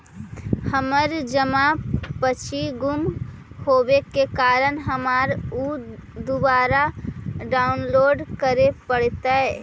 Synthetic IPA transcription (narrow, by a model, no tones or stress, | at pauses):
həməɾd͡ʒəmapət͡ʃʰiɡum | hobekekaɾənɦəmaɾud̪ubaɾaɖaʊnloːɖkəɾepəɽ̤t̪ə